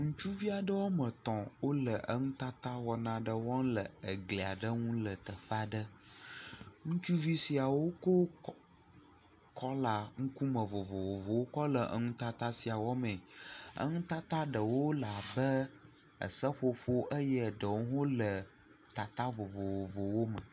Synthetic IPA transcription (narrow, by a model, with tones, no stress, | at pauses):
ŋũ˦t͡ʃu˦vi˦a˨ɖə˦wo˦mə̃˨t̪ɔ̃˨wo˦lə˨ʔə˦ŋũ˦t̪a˦t̪a˦wɔ˨nã˦ɖə˦wɔ̃˦nlə˨ə˨ɡle˨a˨ɖə˦ŋũ˦lə˨t̪ə˨ɸa˨ɖə˦ | ŋũ˦t͡ʃu˦vi˦si˨a˨wo˦ko˦ | kʰɔ˦la˨ŋũ˦ku˦mə˨vo˨vo˨wo˨vo˨wo˦kɔ˦lə˨ʔə̰˨˦ŋũ˦t̪a˦t̪a˦si˨a˨wɔ˦mɛ̃˨ə̰˦ŋũ˦t̪a˦t̪a˦ɖə˨wo˦la˨bə˦ | ə̰˨sə˦ɸo˦ɸo˦ʔə˦jə˦˨ɖə˨wo˦ɦo˦lə˨ | t̪a˨t̪a˦vo˨vo˨vo˨vo˨wo˦mə˨